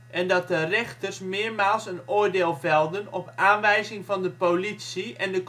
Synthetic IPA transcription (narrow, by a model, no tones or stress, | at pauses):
ʔɛndɑt̚dərɛxtərsmɪːɹmaːlˠsənʊːɹdeːlˠvɛlˠdənɔpʔaːnʋɛjzɪŋvɑndəpolitsiʔɛndək